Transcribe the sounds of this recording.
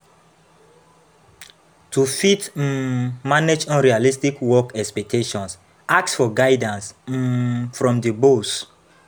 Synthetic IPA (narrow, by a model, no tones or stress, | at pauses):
tufit | maned͡ʒɔ̃nɹialistikwɔkɛkspɛk̚tʰeʃɔ̃ns | ak̚tsfɔɡaɪdãns̩ | fɹɔ̃mdibos